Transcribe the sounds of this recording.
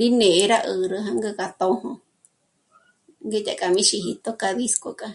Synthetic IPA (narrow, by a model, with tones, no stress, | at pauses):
ɾi˦nẽ˨ʔe˧ɾa˦ʔə˨ɾə˧ɦa˧ŋɡə˧ka˧t̪o˦hõ˧ | ŋɡe˦t̪ʲʼa̰˧˨kʼa˨mĩ˦ʃi˧ɦi˧t̪o˦ka˧ði˦sko˧kʼa˧